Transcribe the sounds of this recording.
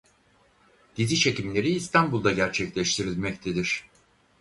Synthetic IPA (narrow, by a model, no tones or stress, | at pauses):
d̪̥izit͡ʃʰe̞cimlʲe̞ɾiːst̪ʰanbulˠd̪aɟæɾt͡ʃʰɛclʲɛʃt̪ʰiɾilʲmɛct̪ʰed̪iɾ̥